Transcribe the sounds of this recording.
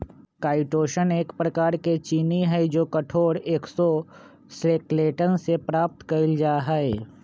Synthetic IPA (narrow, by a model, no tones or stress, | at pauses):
kaːɪʈoːʃəneːkpɾɐkaːɾket͡ʃiːniɦɛjd͡ʒoːkɐʈʰoːɾeːksɔ | sɾeːkleːʈənsepɾaːp̚t̪kɐɪld͡ʒaːɦɛe